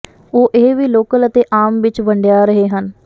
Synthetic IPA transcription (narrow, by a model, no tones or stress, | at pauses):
oːʔeʋiːloːkələt̪eːʔaːmʋɪt͡ʃbəɳɖjaːɾəɦeːɦən